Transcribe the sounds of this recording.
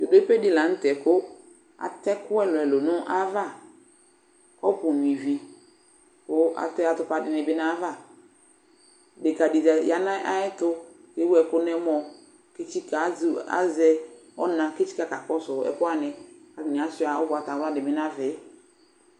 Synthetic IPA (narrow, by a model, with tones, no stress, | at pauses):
jo˨de˦pe˦dɪ˦la˨˦n̩˦tɛ˨kʊ˦ | a̰˨tɛ˦kʊ˦ɛ˦lɔ˨ɛ˨lo˨nʊ̃˦ʔa˦va˦˨ | kɔ˦pʊ˨n˨i˨vi˨ | kʊ˦ʔa̰˨tɛ˦a˨tʊ˦pa˨dɪ˨nɪ̃˨bɪ˦nã˦va˦˨ | dɪ˨ka˨di˨zɛ˨ja˨nã˦ʔa˦ɛ˦tʊ˦ke˨˦wu˦ɛ˨kʊ˦nɛ˦mɔ˨ | ke˦t͡ʃi˦ka˨˦za̰˦zɛ˦ɔ̰˦nã˨ke˦t͡ʃi̥˦ka˦ka˨kɔ˦sʊ˨ɛ̰˨pʊ˦a˦nɪ˨a˨ɪ˨nɪ̃˨a˨sʊ˦a˨ɔ˦bʊ˨a˨ta˨wa˦dɪ˨mɪ˦nã˦vɪ˨˦